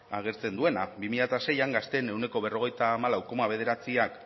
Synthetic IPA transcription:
aɣ̞e̞ɾt͡se̞nd̪ue̞nabimiʎat̪ase̞jaŋɡast̪e̞ne̞wne̞ko̞βe̞ro̞ɣ̞e̞jt̪aːmalawko̞maβe̞ð̞e̞ɾat͡siak

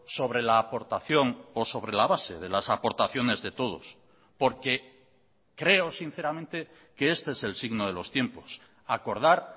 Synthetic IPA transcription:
so̞β̞ɾe̞laːpo̞ɾt̪aθjo̞ŋoso̞βɾe̞laβase̞ð̞e̞lasapo̞ɾt̪aθjo̞ne̞zðe̞t̪o̞ð̞o̞̰s | po̞ɾke̞ | kɾe̞osin̟θe̞ɾamẽnt̪e | keest̪eeselsiɣnoð̞e̞lo̞st̪je̞mpo̞s | ako̞ɾð̞aɾ

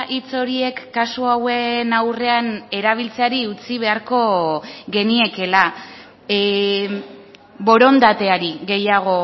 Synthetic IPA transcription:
ʔit͡so̞ɾie̞kːasuawe̞nawre̞ane̞ɾaβ̞ilt͡seaɾiut͡siβ̞e̞aɾko̞ɣe̞nie̞ke̞la | βo̞ɾo̞nd̪at̪e̞aɾiɣe̞jaɣ̞o̞

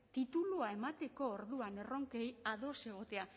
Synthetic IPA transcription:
t̪it̪uluae̞mat̪e̞ko̞ːɾðuane̞ro̞ŋke̞jaðo̞se̞ɣ̞o̞t̪e̞a

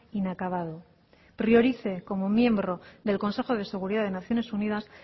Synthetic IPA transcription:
inakaβ̞að̞o̞ | pɾjo̞ɾiθe̞ko̞mo̞mje̞mbɾo̞ðe̞lko̞nse̞xo̞ð̞e̞se̞ɣ̞uɾiðaðe̞naθjo̞ne̞sunið̞as

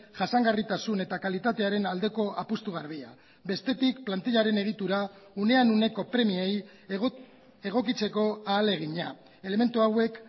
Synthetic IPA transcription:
ʝasaŋɡarit̪asune̞t̪akalit̪at̪e̞aɾe̞nald̪e̞ko̞ʔapust̪uɣ̞aɾβ̞ia̰ | be̞st̪e̞t̪ikplant̪iʎaɾe̞ne̞ɣ̞it̪uɾa | une̞anune̞ko̞pɾe̞miej | e̞ɣ̞o̞kit͡se̞ko̞aːle̞ɣ̞iɲa | e̞leme̞nt̪uawe̞k

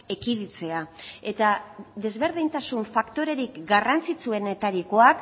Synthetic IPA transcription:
ekiðit͡se̞ae̞t̪aðe̞zβe̞ɾðint̪asuɱfakt̪o̞ɾe̞ɾikɡarant͡sit͡sue̞ne̞t̪aɾiko̞ak

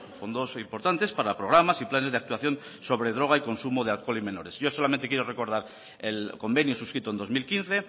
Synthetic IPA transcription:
fo̞nd̪o̞simpo̞ɾt̪ant̪e̞spaɾapɾo̞ɣ̞ɾamasiplanezðe̞ak̚t̪uaθjo̞n | so̞βɾeðɾo̞ɣ̞aiko̞nsumoðealkwolime̞no̞ɾe̞sʝosolamẽnt̪e̞kjeɾore̞ko̞ɾð̞aɾ | elko̞mbe̞njosuskɾit̪ond̪o̞zmilkin̟θe̞

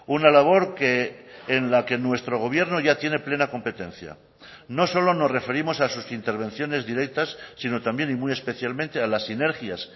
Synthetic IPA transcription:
unalaβ̞o̞ɾkeːnlake̞nwe̞st̪ɾo̞ɣ̞o̞β̞je̞ɾnoʝat̪je̞ne̞ple̞nako̞mpe̞t̪ẽ̞nθja̰ | no̞so̞lo̞no̞sre̞fe̞ɾimo̞sasusint̪e̞ɾβ̞ẽ̞n̟θjo̞ne̞zðiɾe̞k̚t̪asːino̞t̪ambje̞nimuje̞spe̞θjalmẽnt̪e̞alasine̞ɾxjas

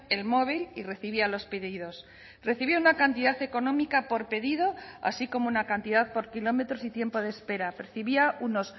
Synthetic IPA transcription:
elmo̞β̞ilire̞θiβialo̞spe̞ðið̞o̞s | re̞θiβiaunakant̪iðaθe̞ko̞nõ̞mikapo̞ɾpe̞ðið̞o̞a̰siko̞mounakant̪iðaðpo̞ɾkilo̞me̞t̪ɾosit̪je̞mpo̞ð̞e̞spe̞ɾape̞ɾθiβiauno̞s

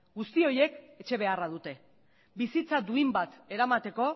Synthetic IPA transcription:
ɡust̪io̞jeke̞t͡ʃe̞β̞e̞araðut̪e̞ | bisit͡sad̪uimbat̪e̞ɾamat̪e̞ko̞

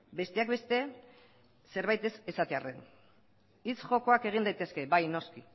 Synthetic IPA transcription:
be̞st̪e̞akbe̞st̪e̞ | se̞ɾβajt̪e̞sesat̪e̞are̞n | it͡sʝo̞ko̞ake̞ɣ̞ind̪ajt̪e̞ske̞bajno̞ski

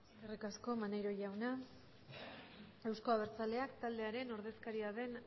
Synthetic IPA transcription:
kerikasko̞manejɾo̞ʝawna | ewsko̞aβ̞e̞ɾt͡sale̞akt̪ald̪e̞aɾe̞no̞ɾð̞e̞skaɾiaðe̞n

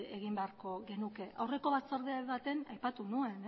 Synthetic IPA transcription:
eɣ̞imbe̞aɾko̞ɣe̞nuke̞ʔawre̞ko̞βat͡saɾðeaβat̪e̞najpat̪unue̞n

